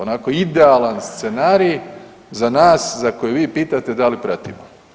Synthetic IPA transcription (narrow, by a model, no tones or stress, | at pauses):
onakoid̪ealanst̪senaːɾij | zanaːszakojeʋiːpiːt̪at̪e̞d̪alipɾat̪ḭmo